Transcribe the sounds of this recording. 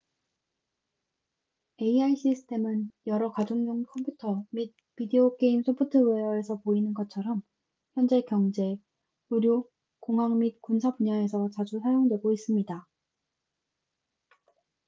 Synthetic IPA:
e̞iaiɕ͈isʰɯ̥tʰe̞mɯnjʌɾʌkad͡ʑoŋɲoŋkʰʌmpʰjutʰʌmid̚ | pideok͈e̞imsʰopʰutʰɯwejʌe̞sʰʌpoinɯnɡʌt̚t͡ɕʰʌɾʌm | çjʌnd͡ʑe̞kjʌŋd͡ʑe̞ | uɾjo | koŋɦaŋmit̚kunsʰapuɲae̞sʰʌt͡ɕad͡ʑusʰajoŋdwe̞ɡois͈ɯmɲida

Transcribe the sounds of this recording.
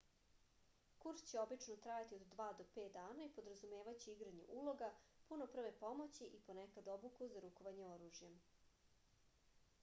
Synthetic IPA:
kuɾst͡ɕeo̞bit͡ʂnot̪ɾajat̪iod̪ːʋaːd̪o̞peːt̪̚d̪aːnaipo̞d̪ɾazume̞ːʋat͡ɕiiɡɾaɲṵʔulˠo̞ɡapuno̞pr̩ʋe̞po̞mo̞t͡ɕiʔipo̞nekad̪o̞bukuzaɾukoʋaɲeo̞ɾuːʒjem

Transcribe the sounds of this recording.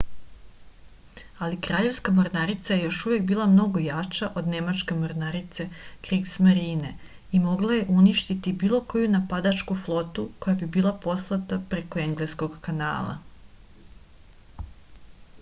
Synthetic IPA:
alikɾaːʎe̞ʋskamoɾnaɾit̪saje̞jo̞ʃuʋjek̚biːlˠamno̞ɡo̞jat͡ʃaʔo̞d̪ne̞mat͡ʃke̞moɾnaɾit̪se̞kɾiɡsmaɾiːne̞ | imo̞ɡlaje̞ʔuniʃt̪it̪ibiːlˠo̞ko̞junapad̪at͡ʃkuflˠo̞t̪uko̞jabibiːlˠapo̞slˠat̪apɾekoe̞ŋɡlesko̞ɡkana̰ːlˠa̰

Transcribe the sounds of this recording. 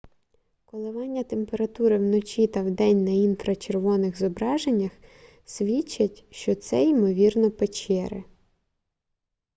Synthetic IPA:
kɔlˠɪʋɑnʲːɐt̪empeɾɐt̪uɾɪwnɔt͡ʃʲit̪ɐwd̪ɛnʲnɐinfɾɐt͡ʃerʋɔnɪɣzɔbɾɑʒenʲːɐx | sʲʋʲit͡ʃːɐtʲʃt͡ʃɔt̪sɛimɔʋʲirnɔpet͡ʃɛɾɪ̰

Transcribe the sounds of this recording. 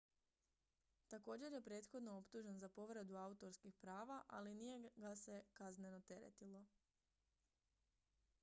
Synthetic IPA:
t̪ako̞ːd͡ʑe̞ɾje̞pɾe̞ːt̪xo̞d̪no̞opt̪uʒenzapo̞ʋɾed̪uaut̪o̞ɾskixpɾaːʋaʔalinije̞ɡase̞kazne̞no̞t̪e̞ɾḛt̪ilˠo̞

